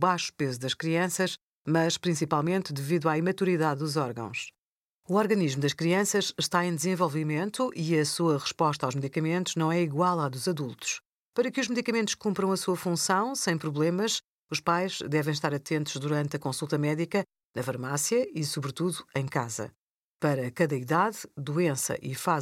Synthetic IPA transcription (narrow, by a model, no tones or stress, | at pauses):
βajʃu̥pezuðɐʃkɾiɐ̃sɐʃ | mɐʃpɾĩsipalˠmẽnt̪d̪ɨviðwaimɐt̪uɾiðaðːuzɔɾɣɐ̰̃w̃ʃ | uɔɾɣɐniʒmud̪ɐʃkɾiɐ̃sɐʃʃt̪aẽj̃d̪ɨzẽvɔlˠvimẽnt̪uʔiɐsuɐʁɨʃpɔʃt̪ɐawʒmɨðikɐmẽnt̪uʒnɐ̃w̃ɛiɣwalˠaðuzɐðulˠt̪u̥ʃ | pɐɾɐkɨuʒmɨðikɐmẽnt̪u̥ʃkũmpɾɐ̃w̃ɐsuɐfũsɐ̃w̃sɐ̃j̃pɾuβlˠemɐʃ | uʃpajʒ̥d̪ɛvɐ̃j̃ʃ̬t̪aɾɐt̪ẽnt̪uʒ̥ðuɾɐ̃nt̪ɐkõsulˠt̪ɐmɛðikɐ | nɐfɐɾmasjɐisuβɾɨt̪uðuɐ̃j̃kazɐ̰ | pɐɾɐkɐðɐiðaðd̪uẽsɐ̰ʔifa